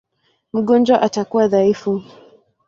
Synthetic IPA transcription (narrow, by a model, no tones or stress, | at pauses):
m̩ɠɔnd͡ʒwaʔatakuwaðaifu